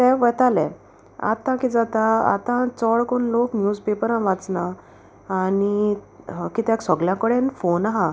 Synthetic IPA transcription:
t̪ɛ̃ʋət̪alɛ̃ | a̰t̪ãkid͡zat̪aa̰t̪ãt͡sɔɭkonloknjud͡zpepəɾãʋat͡snaː | ni | kit̪ɛ̃ksɔɡljãkəɽenfonaɦã

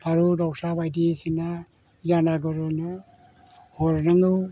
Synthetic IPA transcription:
aɾudɔk̚sabajdisina | zanaɡɯɾɯnɯ | hɔɾnaŋɯ

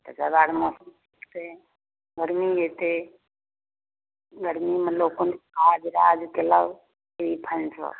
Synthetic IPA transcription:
t̪əd͡ʒəbaɽmosum | t̪e | ɡəɾmijet̪e | ɡəɾmimelokonkad͡ʒɾad͡ʒkeləw | eipʰənsʰə̰

